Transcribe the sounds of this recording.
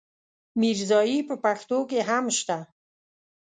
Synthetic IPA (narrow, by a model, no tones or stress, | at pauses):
miɾzɑjipəpaxt̪okeɦamʃt̪a